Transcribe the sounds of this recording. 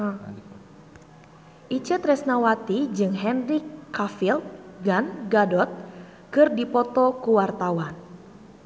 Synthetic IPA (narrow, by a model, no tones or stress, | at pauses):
ʔit͡ʃət̪ɾɛsnawat̪id͡ʒɨŋɦɛnrikːafilt̪̚ɡanɡadɔt̪̚ | kɨrdipɔt̪ɔkuwart̪awan